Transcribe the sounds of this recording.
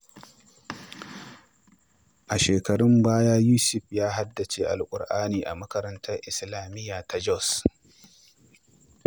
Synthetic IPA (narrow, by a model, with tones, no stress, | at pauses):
ʔa˨ʃeː˨kɐ˨ɽɪ˦mbaː˦jaː˦juː˦sʊ˨ɸjaː˦ɦa˦dːɐ˨t͡ʃeː˨ʔa̰˨lkʷʼʊ̰˨ɽʔaː˦niː˨ʔa̰˨mɐ˦kɐ˦ɾɐ˦ntʰɐ˦rʔɪ˨slaː˨mɪ˦jːaː˨ta˦d͡ʒɔ˦˨s